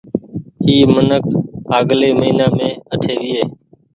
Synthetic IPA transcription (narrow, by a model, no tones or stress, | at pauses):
ɦiːmənəkʰɦaːɠleːməiːnaːmẽːəʈʰeːʋɪːeː